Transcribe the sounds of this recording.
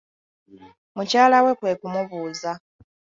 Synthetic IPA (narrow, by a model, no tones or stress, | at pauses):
mucaːlawe̞kwe̞ːkumuβuːza